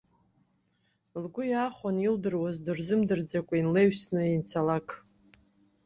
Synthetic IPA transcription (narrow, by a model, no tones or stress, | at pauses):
lɡʷʊjaːχʷanildɨrwazdɨrzɨmdɨrd͡zakʷʼainleɥsnɨint͡sʰalakʼʰ